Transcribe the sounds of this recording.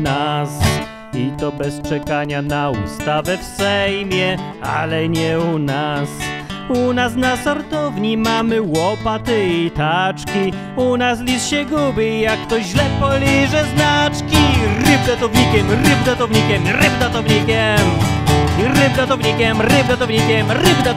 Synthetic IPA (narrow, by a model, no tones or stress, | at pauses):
nas | it̪ɔbɛst͡ʂɛkaɲanaṵst̪avɛfsɛjmʲjɛ | a̰lɛɲɛunasunasnasɔɾt̪ɔvɲimamɘwɔpat̪ɘit̪at͡ʂkʲi | unas̬lʲisɕɛɡubʲiijakːt̪ɔʑlɛpɔlʲiʐɛznat͡ʂkʲiɾɨbd̪at̪ɔvɲikʲɛmɾɨbd̪at̪ɔvɲikʲɛmɾɨbd̪at̪ɔvɲikʲɛmuiɾɨbd̪at̪ɔvɲikʲɛmɾɨblɛt̪ɔvɲikʲɛmɾɨbd̪a